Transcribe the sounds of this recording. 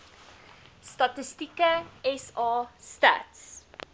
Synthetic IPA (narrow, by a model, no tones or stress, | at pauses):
stɐtəstikəɛsɑːsta̰ts